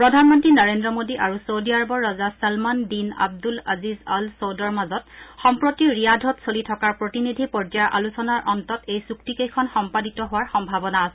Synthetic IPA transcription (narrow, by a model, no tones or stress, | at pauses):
pɹɔdʱanmɔntɹinɔɹendɹɔmodiʔaɹusowdiaɹbɔɹːɔzasalmandina̰b̚dula̰zizalsowdɔɹmazɔtxɔmpɹotiɹijadʱɔtsolitʰɔkaɹpɹotinidʱipɔd͡ʒaʔa̰lusɔnaɹʔɔntɔtejsuktikejkʰɔnxɔmpaditɔɦʊwaɹxɔmbʱabɔnaːsɛ